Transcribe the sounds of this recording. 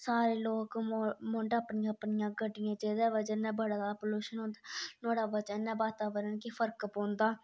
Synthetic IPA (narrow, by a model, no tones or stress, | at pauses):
saːɾeːloːkːmõːɳɖaːpnɪjãːəpnɪjãːɡəɖɪjãːd͡ʒeːd̪ɛːʋəd͡ʒənɛ̃ːbəɽad̪aːpoːluːʃənõːnd̪anoːɽaːbəd͡ʒənːɛ̃ːbaːt̪aːʋəɾənkipʰəɾkpõːnd̪aː